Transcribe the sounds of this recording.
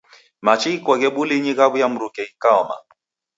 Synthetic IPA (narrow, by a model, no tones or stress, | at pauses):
mat͡ʃiikwɔɣɛɓuliɲiɣaβujam̩ɾukɛikaɔma̰